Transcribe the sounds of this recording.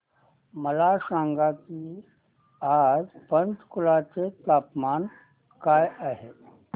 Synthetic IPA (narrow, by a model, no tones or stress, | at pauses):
məlaʃãːŋɡaki | ad͡ʒpə̃nt̪kulat͡ʃet̪aːpmaːn | kaːjaɦe